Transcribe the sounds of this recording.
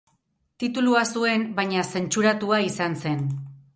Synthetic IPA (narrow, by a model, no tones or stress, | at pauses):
t̪it̪uluasue̞mbaɲase̞nt͡ʃuɾat̪uaisanse̞n